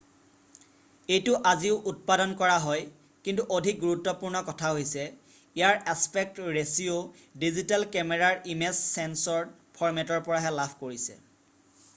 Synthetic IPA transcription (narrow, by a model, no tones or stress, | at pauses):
ejtʊʔaziʊʔut̚padɔnkɔɹaɦɔj | kintuʔodʱik̚ɡuɹutːɔpuɹnɔkɔtʰaɦojsɛ | ijaɹaspɛk̚tɹesio | dizitalkɛmɛɹaɹimɛsːɛnsɔɹ | pʰɔɹmɛtɔɹpɔɹaɦɛlapʰkoɹisɛ̰